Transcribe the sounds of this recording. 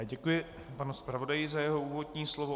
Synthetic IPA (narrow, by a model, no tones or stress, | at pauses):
ɟɛkujɪ | panuspɾavo̞dajɪzajɛɦo̞ʔuːvo̞dɲiːslovo